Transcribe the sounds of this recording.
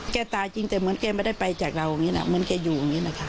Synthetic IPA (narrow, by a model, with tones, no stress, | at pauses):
kɛː˧˩t̪aː˨˩t͡ɕi˧ŋt̪ɛ˨˩mɯ˨˦ənkɛː˧˩maː˧˦da˥˩jpa˧jt͡ɕaː˨˩k̚ɾa˧wa˨˩ŋiː˦˥na̰˧˩mɯ˨˦nkɛː˧˩juː˨˩a˨˩ŋiː˦˧˥na˧˩kʰa˦˥